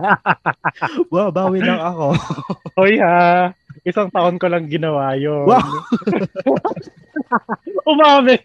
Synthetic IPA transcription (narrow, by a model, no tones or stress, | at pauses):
wawbaːwɪlɐŋɐkoʔojhaʔɪsaŋt̪ɐʔonkolɐŋɡɪnɐwaːjowa | ʔʊmaːmɛ